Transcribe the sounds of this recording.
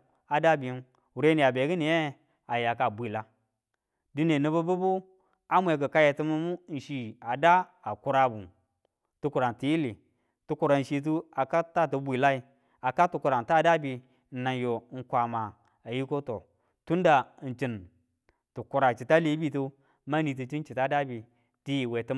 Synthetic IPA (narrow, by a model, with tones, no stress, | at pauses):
a˨da˦bi˨˦n | u˨ɾe˦ni˨a˨be˨˦ɡi˦ni˨je˦ | a˨ja˨ka˨bʷi˨la˦ | di˦ne˨nə˨bu˦bu˦bu˦ | a˦mʷ˦e˨ɡə˨ka˦je˨ti˦mu˦mu˦n̩˨ʃi˨a˨da˦a˨ku˦ɾa˨bu˨ | tu˦ku˨ɾa˨n˨ti˨ji˦li˨ | tu˦ku˨ɾa˨n̩˨ʃi˨t̬u˦a˨ka˦ta˦tu˨˦bʷi˨la˦i˨ | a˨ka˦tu˨ku˨ɾa˨n˨ta˦˨da˦bi˨ | n̩˨na˨njo˨˦ŋ̩˦kʷa˨ma˨ | a˨ji˦ko˦to˨ | tu˦nda˨n̩˨t͡ʃi˨n | tu˨ku˨ɾa˨t͡ʃi˨ta˦le˨˦bi˦tu˦ | ma˦ni˨t̬i˨t͡ʃi˦n̩˦t͡ʃi˨ta˦da˦bi˨ | ti˦ji˨we˨tə˦